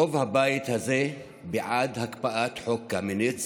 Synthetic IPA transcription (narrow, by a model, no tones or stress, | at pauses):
ovhabajt̪haze | beʕad̪hakpaʔat̪ħokːaminit͡s